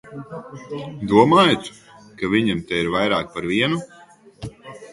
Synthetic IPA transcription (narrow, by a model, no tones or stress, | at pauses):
d̪uɔmaːjat̪ | kavʲiɲamt̪ɛiɾvajɾaːk̚paɾviɛnu